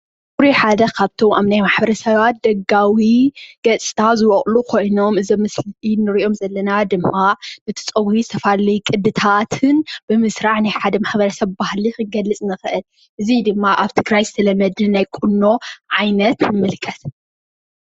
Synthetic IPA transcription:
kuɾiħad̪ɐkʰaβt̪ʰo̞mʔaβnajmaħbɐɾɐsɐβat̪̚d̪̥ɐɡawiɡ̥ɐt͡sʼi̥t̪ʰazɨwɔχʼlukʰo̞jno̞mɨzɐmɨsnɨɾiʔo̞mzɐlːɐnad̪ɨmːanɨt̪ʰɨ̥t͡sʼɐwizɨt̪ʰɐfallɐjkʼɨd̪ɨt̪ʰat̪ʰɨnb̥ɨmɨsɾaʕnajħad̪ɐmaħbɐɾɐsɐβbahlixɨɡɐlːɨt͡sʼnɨxɨʔɨl | ʔɨzid̪ɨmːaʔaβt̪ʰɨɡɾajzɨ̥t̪ʰɐlɐmɐd̪ɨnajkʼunːo̞ʕajnɐt̪nɨmɨlkʰʼɐt̪

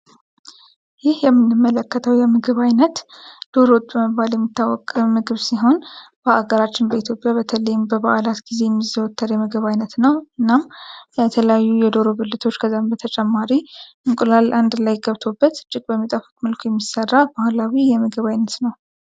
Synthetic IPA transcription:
jɪhjɛmːɨnːɨmːələkːət̪ʰəwjɛmɨɡɨβajnət̪d̪̥o̞ɾot̪ʼbəməbːaljɛmːit̪ːawːɔkʼmɨɡɨβsiɦo̞nb̥əʔaɡəɾat͡ʃːɪnbəit̪ʰjo̞pʼjaβət̪ʰələjɪmbəba̰ʔlat̪ɡ̥ize̞jɛmːizəwɔt̪ʰːəɾjɛmɨɡəβajnət̪nəwɨnːamjɛt̪ʰələjajːujɛd̪o̞ɾobɨlːɨt̪ʰo̞t͡ʃːkʰəzːambət̪ʰət͡ʃʼɛmːaɾiʔɨŋkʼulalʔand̪lajɡəβt̪ʰo̞bːət̪t͡ʃʼːɪkʼbəmːit̪ʼəfu̥t̪ʼməlkʰojɛmːisərːabahlawijɛmɨɡɨβajnət̪nəw

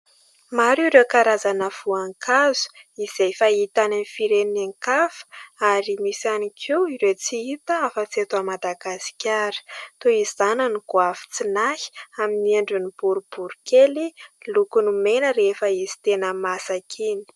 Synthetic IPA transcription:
maɾuɾekaɾazanəv̥uaŋkʰazu̥iz̥ejfait̪ananifiɾeninaŋkafə̥aɾimisanikʰiwiɾet͡siit̪əafət͡siat̪uamad̪aɡasi̥kʲaɾi̥t̪oiz̥anəniɡ̥wafi̥t͡sinahi̥aminieɳɖ͡ʐunib̥uɾub̥uɾukʰelilukunumenəɾefəizi̥t̪enəmasakʰini̥

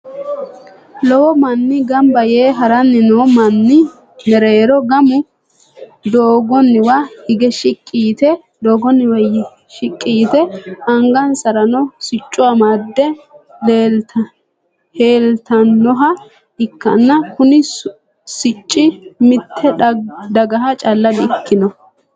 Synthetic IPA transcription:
lɔwɔmɐnːɪɡɐmbɐjeːɦɐɾɐnːɪnɔwmɐnːɪ | nɛɾeːɾɔɡɐmʊ | d̪oːɡɔnːɪwahɪɡɛʃɪkʼːiːt̪ɛ | d̪oːɡɔnːɪwɐ | ʃɪkʼːiːt̪ɛɐŋɡɐnsɐɾɐnɔsɪt͡ʃʼːʊamaːd̪ːɛ | leːl | heːlt̪ɐnːɔɦɐ | ɪkːɐ̰nːɐkʊnɪ | sɪt͡ʃʼːɪmɪt̪ʰːɛd̪ɐɡɐɦɐt͡ʃʼɐlːɐd̪ɪɪkːɪnɔ

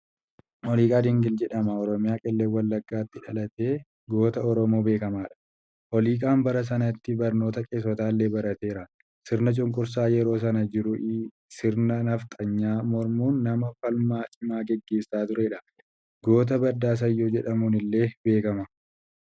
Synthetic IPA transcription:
hɔliːkʼaːd̪ɪŋɡɪld͡ʒɛᶑɐmɐɔɾɔmɪjaːkʼɛlːeːwɐlːɐɡːaːt̪ːɪᶑɐlɐt̪eː | ɡo̞ːt̪ɐɔɾɔmo̞ːbe̞ːkɐmaːᶑɐ̥ | ʔɔliːkʼaːmbɐɾɐs̬ɐnɐt̪ːɪbɐɾno̞ːt̪ɐkʼeːsɔt̪aːlːe̞ːbɐɾɐt̪e̞ːɾɐ | sɪɾnɐt͡ʃʼʊŋkʼʊɾs̬aːjɛɾo̞ːs̬ɐnɐd͡ʒɪɾʊʔɪ | sɪɾnɐnɐft̪ʼɐɲːaːmɔɾmuːnːɐmɐfɐlmaːt͡ʃʼɪmaːɡɛɡːe̞ːsːaːt̪ʊɾɛᶑɐ̥ | ɡo̞ːt̪̬ɐbɐd̪aːs̬ɐjːoːd͡ʒɛᶑɐmuːnɪlːe̞ːbe̞ːkɐmɐ

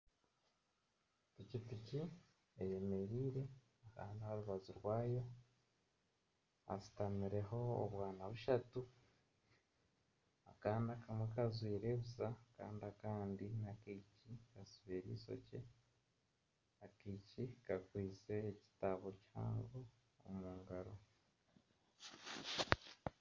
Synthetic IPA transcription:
ticitici | eje̞me̞ɾiːɾe̞ | aka̰ːndihaɾuβazuɾwaːjo̞ | a̰si̥tamiɾe̞ɦo̞o̰βwaːnaβuʃatu | akaːndiakamwekazwiːɾe̞βusaka̰ːndiakaːndinakiːcikasuβiɾḭːso̰ce̞ | akicikakwiːze̞ːci̥taβo̞ciha̰ːŋɡo̞̰ː | muːŋɡaɾo̞

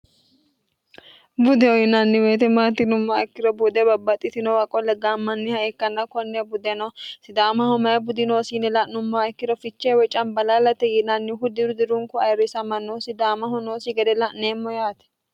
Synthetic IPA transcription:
bʊd̪ɛɔjɪnɐnːɪweːt̪ɛmaːt̪ːɪnʊmːaɛkːɪdɔbʊd̪ɛbɐbːɐt̪ʼːɪt̪ɪnɔwɐkʼɔlɛɡaːmːɐnːɪhɐɛkːɐnːɐkɔnːɛbʊd̪ɛnɔsɪd̪aːmɐhʊmɐjɐbʊd̪ɪnoːsinɛlɐʔnːʊmːaɪkːɪdɔfɪt͡ʃːewɛt͡ʃʼɐnbɐlaːlɐt̪ɛjɪnɐnːɪɦʊd̪ɪɾʊd̪ɪɾʊŋkʊɐjɾɪsɐmɐnːosɪd̪aːmɐhʊnoːsɪɡɛd̪ɛlɐʔneːmːɔjaːt̪ɛ̥

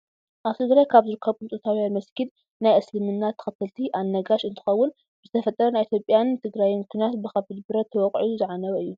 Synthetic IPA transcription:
ʔaβt̪ʰɨɡɾajkʰaβzɨɾɨkʰːɐβkɨnt͡s̪ʼot̪ʰawjanmɐskʰil | najʔɐslɨmɨnːat̪ʰːɨ̥xɨt̪ʰɐlt̪ʰiʔanːɐɡaʃɨnt̪ʰɨ̥xɐwːʊn | ɨzɨt̪ʰɐfɐt̪ʼːɐɾɐnajʔit̪jo̞pʼːjant̪ʰɨɡɾajimɨkʰnijat̪bɨxaβbɨd̪bɨɾɐt̪ʰːɐwɔkʼʕiuzɨʕanɐwɐɨjːu

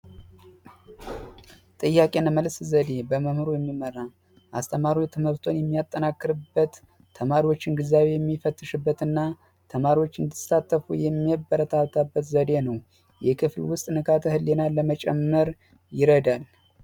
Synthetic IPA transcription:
t̪ʼɨjːakʼe̞nməlszəd̪e̞bəməmɨɾojɛmːiməɾa | ʔast̪ʰəmaɾiwt̪ʰɨmɨɾt̪ʰo̞njɛmːijat̪ʼːənakːɨɾɨbːət̪ʰː | əmaɾiwo̞t͡ʃːɪnɡɨzaβwe̞jɛmːifət̪ʼːɨʃɨbːət̪ɨnːa | t̪ʰəmaɾiwo̞t͡ʃːɨnd̪ɨsat̪ʼːəfujɛmːiɛbːəɾət̪ʰaβt̪ʰabːət̪zəd̪e̞nəw | jɛkʰɨflwʊst̪ʼnɨkʰat̪ʰəhɨlːe̞nalːəmət͡ʃʼɛmːəɾ | jɪɾəd̪al

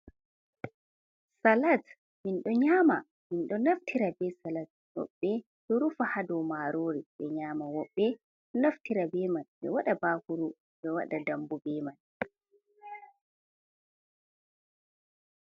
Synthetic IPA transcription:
salat | minɗɔɲaːma | minɗɔnaftʰiɾabɛsalat̚ː | ɔ̰ɓːɛ | ɗɔɾufahadɔmaɾoːɾiɓɛɲaːmawɔɓːɛ | ɗɔnaftiɾabɛmanɓɛ̰waɗabaːhuɾu | ɓɛwa̰ɗadambubɛːman

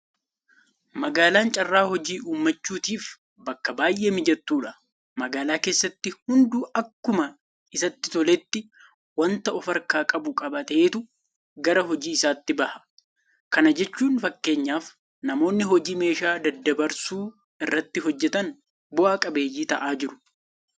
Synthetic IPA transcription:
mɐɡaːlaːnt͡ʃʼɐrːaːhɔd͡ʒiːʔuːmːɐt͡ʃːuːt̪iːf | bɐkːɐbaːjʔeːmɪd͡ʒɛt̪ːuːᶑɐ | mɐɡaːlaːkeːsːɐt̪ːɪhʊnd̪uːʔɐkːʊmɐ | ɪsɐt̪ːɪt̪ɔlɛt̪ːɪ | wɐnt̪ɐɔfɐɾkaːkʼɐbʊkʼɐbɐt̪ɐeːt̪ʊ | ɡɐɾɐɦɔd͡ʒiːɪsaːt̪ːɪbɐhɐ̥ | kɐnɐd͡ʒɛt͡ʃːuːnfɐkːe̞ːɲːaːf | nɐmo̞ːnːɪɦɔd͡ʒiːme̞ːʃaːd̪ɐd̪ːɐbɐɾsuː | ɪrːɐt̪ːɪɦɔd͡ʒːɛt̪ɐn | bʊʔaːkʼɐbe̞ːjiːt̪ɐʔaːd͡ʒɪɾʊ̥

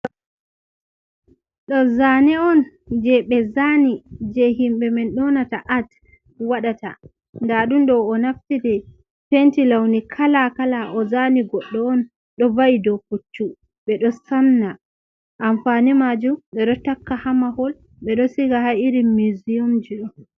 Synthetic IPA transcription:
ɗɔzanɛɔnd͡ʒɛɓɛzanid͡ʒɛɦimɓɛmɛnɗɔnataʔat | waɗata̰ | ndaɗumɗɔwːnaftidɛ | tentilawnikʰalakalaʔɔzaniɡɔɗːɔːn | ɗɔvajidɔkut͡ʃːu | ɓɛɗɔsanːa | ʔaɱfanimad͡ʒumɓɛɗɔtakːahamahɔl | ɓɛɗɔsiɡahaiɾimiziumd͡ʒiɗɔ

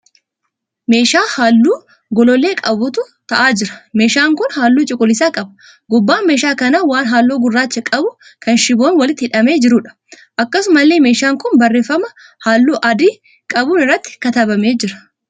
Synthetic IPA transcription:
me̞ːʃaːhaːlːuː | ɡɔlɔlːe̞ːkʼɐbʊt̪ʊ | t̪ɐʔaːd͡ʒɪɾɐ̥me̞ːʃaːŋkʊnhaːlːuːt͡ʃʼɪkʼʊlːɪsaːkʼɐbɐ | ɡʊbːaːnme̞ːʃaːkɐnaːwaːnɦaːlːoːɡʊrːaːt͡ʃːɐkʼɐbʊ | kɐnʃɪboːnwɐlɪt̪ːɪhɪᶑɐme̞ːd͡ʒɪɾʊᶑɐ̥ | ʔɐkːɐsʊmɐlːeːme̞ːʃaːŋkʊnbɐrːe̞ːfːɐmɐ | haːlːuːʔɐd̪iː | kʼɐbuːnɪrːɐt̪ːɪ̥kɐt̪ɐbɐme̞ːd͡ʒɪɾɐ̥

